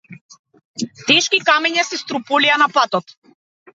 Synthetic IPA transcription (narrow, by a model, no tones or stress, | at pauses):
t̪ɛʃkikamɛɲasist̪ɾupɔlianapat̪ɔt̪